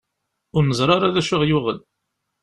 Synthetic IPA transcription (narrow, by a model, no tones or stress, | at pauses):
ʊɾnəzˤɾˤɑɾˤaðæʃʊʁjʊʁəl